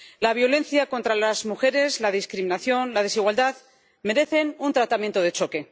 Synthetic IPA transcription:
laβ̞jo̞le̞nθjako̞nt̪ɾalazmuxe̞ɾe̞zlað̞iskɾiminaθjo̞nlað̞e̞siɣwald̪að | me̞ɾe̞θe̞nunt̪ɾat̪amjent̪oð̞e̞t͡ʃo̞ke̞

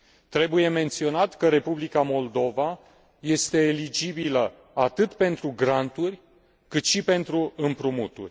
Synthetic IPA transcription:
t̪ɾe̞buje̞me̞nt̪sio̞nat̪kəɾe̞publikamo̞ld̪o̞va | je̞st̪e̞ːlid͡ʒibilə | at̪ɨt̪pe̞nt̪ɾuɡɾant̪urʲ | kɨt̪ʃipe̞nt̪ɾuɨmpɾumut̪ṵrʲ

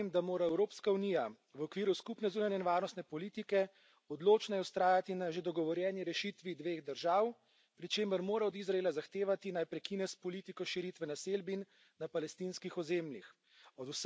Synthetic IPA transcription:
md̪amoːɾaɛwɾoːpskauniːja | ʋɔkʋiːɾuskupnɛzuːnanɛinʋaːɾnɔst̪nɛpɔliːt̪ikɛ | ɔd̪loːt͡ʃnajɛwst̪ɾaːjat̪inaʒed̪ɔɡɔʋɔɾjɛːniɾɛʃit̪ʋid̪ʋeːɣd̪əɾʒaːw | pɾit͡ʃeːməɾmoːɾaɔd̪izɾaeːlazaxt̪eːʋat̪inajpɾɛkinɛspɔlit̪ikɔʃiɾit̪ʋɛnaselbinː | apalɛst̪inskixɔzeːmlix | ɔd̪us

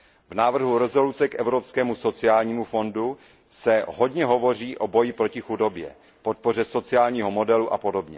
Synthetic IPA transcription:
vnaːvr̩ɦuɾɛzo̞lut͡sɛkʔɛvɾo̞pskɛːmuso̞t͡sɪaːlɲiːmufo̞ndu | sɛɦo̞dɲɛɦo̞vo̞r̝iːʔo̞bo̞jɪpɾo̞cɪxudo̞bjɛ̰ | po̞t̪̚po̞r̝ɛso̞t͡sɪaːlɲiːɦo̞mo̞dɛluʔapo̞do̞bɲɛ

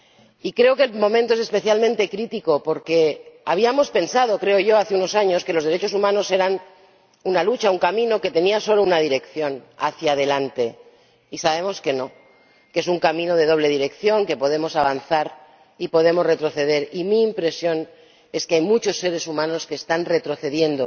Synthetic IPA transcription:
ikɾe̞oke̞lmõ̞mẽnt̪oese̞spe̞θjalmẽnt̪e̞kɾit̪ikopo̞ɾke̞aβ̞iamo̞spe̞nsað̞o̞kɾe̞oʝo̞aθeuno̞saɲo̞skelo̞zðeɾe̞t͡ʃo̞sumãno̞se̞ɾan | unalut͡ʃauŋkamĩno̞ke̞t̪e̞niaso̞lounað̞iɾe̞kθjo̞na̰θjaðe̞lant̪e̞ | isaβe̞mo̞ske̞no̞ | ke̞suŋkamĩno̞ð̞e̞ð̞o̞β̞le̞ðiɾe̞kθjo̞ŋke̞po̞ð̞emo̞saβ̞anθaɾ | ipo̞ð̞e̞mo̞zre̞t̪ɾo̞θe̞ð̞e̞ɾimiːmpɾe̞sjo̞n | e̞skeajmut͡ʃo̞sːe̞ɾe̞sumãno̞skeːst̪anre̞t̪ɾo̞θe̞ðje̞nd̪o

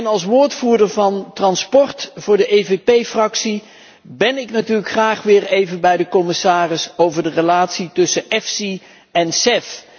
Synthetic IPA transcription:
nɑlˠs̬ʋʊːɹtfuːɹdəɹvɑntrɑnspɔɹtv̥ʊːɹdəʔejvepejfrɑksi | bɛnɪknatyːɹləkχraːχʋɪːɹejvənbɛjdəkɔmɪsaːrɪsowvəɹdərəlaːtsitɵsəʔɛfsi | ɛnsɛf

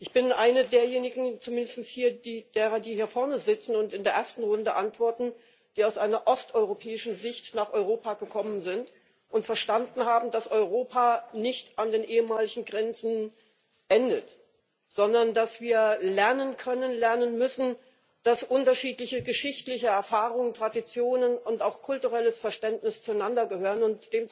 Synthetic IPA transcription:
ʔɪçb̥ɪnʔaɪnədeːɐjeːnɪɡŋ̩t͡sumɪndəstn̩shiːɐdiːd̥eːʁɐdiːhiːɐfɔɐnəzɪt͡sn̩ʊntɪndeːɐʔeːɐstn̩ʁʊndəʔantv̥ɔɐtn̩ | d̥iːaʊsʔaɪnɐʔɔstʔɔʏʁopʰɛːɪʃn̩zɪçtnaːχʔɔʏʁ̞oːpaɡəkʰɔmənzɪnt | ʔʊntfɛɐʃtandn̩haːbm̩dasʔɔʏʁoːpʰanɪçtandeːnʔeːəmaːlɪçŋ̩ɡʁɛnt͡sn̩ | ʔɛndət | z̥ɔndɐndasv̥iːɐlɛɐnənkʰœnənlɛɐnənmʏsn̩ | d̥asʔʊntɐʃiːtlɪçəɡəʃɪçtlɪçəɛɐfaːʁʊŋəntʁ̥adit͡sjoːnənʊntaʊxkʰʊltuʁɛləsfɛɐʃtɛntnɪst͡suaɪnandɐɡəhøːʁənʊntd̥eːm

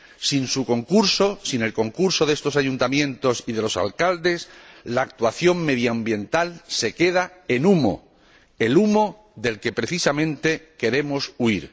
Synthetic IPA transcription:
sinsuko̞ŋkuɾso̞sine̞lko̞ŋkuɾso̞ðe̞st̪o̞saʝunt̪amjẽ̞nt̪o̞siðe̞lo̞sa̰lkald̪e̞slaːk̚t̪waθjo̞ŋme̞ðjambje̞nt̪alse̞ke̞ð̞ae̞numo̞̰ | e̞lumo̞ | ðe̞lke̞pɾe̞θisamẽ̞nt̪e̞ke̞ɾe̞mo̞suiɾ

